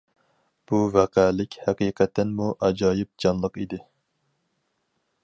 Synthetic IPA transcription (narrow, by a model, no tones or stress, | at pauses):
b̥uvɛqʰælɪkʲhæqiːqʰɛt̪ʰːɛnmuʔɛd͡ʒɑːjɪp̚d͡ʒɑnlˠəqid̪ɪ